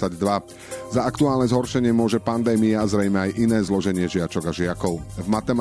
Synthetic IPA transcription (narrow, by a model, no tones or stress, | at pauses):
aɟd̪ʋa | zaakt̪uaːlˠnɛzɦɔɾʃɛɲɪɛmʊɔʒɛpand̪ɛːmiaazɾɛjmɛajʔinɛːzlɔʒɛɲɪɛʒɪat͡ʃɔɡaʒɪakɔʊvmat̪ɛm